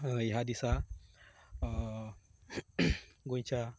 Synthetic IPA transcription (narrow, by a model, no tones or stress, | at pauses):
iɦad̪isa | ɡunt͡ʃa